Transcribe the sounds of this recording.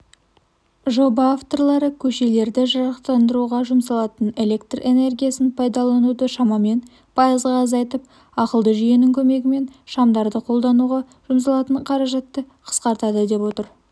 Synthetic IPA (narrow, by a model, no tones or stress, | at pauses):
ʒo̞bɑːft̪o̞rlˠɑɾəkʲʰɵʃe̞le̞ɾd̪ɪʒɑɾɑqt̪ɑnd̪əɾuʁɑʒʊmsɑlˠɑt̪əne̞le̞kt̪re̞ne̞rɡʲijasɪnpʰɑjd̪ɑlˠɑnud̪əʃɑmɑme̞n | pʰɑjəzʁɑːzɑjt̪əp̚ | ɑqəlˠd̪əʒijenɪŋkʲʰɵme̞ɡʲɪme̞nʃɑmd̪ɑɾd̪əqʰo̞lˠd̪ɑnuʁɑ | ʒ̥ʊms̬ɑlˠɑt̪əɴqʰɑɾɑʒɑt̪ːəqʰə̥sqɑɾt̪ɑd̪əd̪e̞pwo̞t̪əɾ